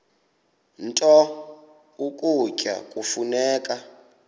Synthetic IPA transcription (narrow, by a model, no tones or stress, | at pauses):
n̩tʼɔ | ukʼucʼa̰kʼufunɛːkʼa